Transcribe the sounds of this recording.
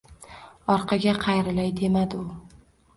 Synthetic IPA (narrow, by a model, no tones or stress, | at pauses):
ɒɾqʰɑɡʲaqʰɑjɾɪlajd̪e̞mad̪ɪʊ